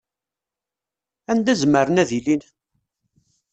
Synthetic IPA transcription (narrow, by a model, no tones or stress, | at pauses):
ænd̪æzməɾənæðilin